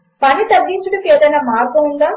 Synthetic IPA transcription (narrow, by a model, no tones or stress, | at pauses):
pɐnit̪ɐɡːint͡ʃuɽɐkeːd̪ɐjnaːmaːɾɡɐund̪aː